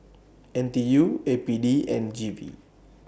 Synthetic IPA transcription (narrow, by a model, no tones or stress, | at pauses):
ɛnt̪ijuepidiɛnd͡ʒivḭ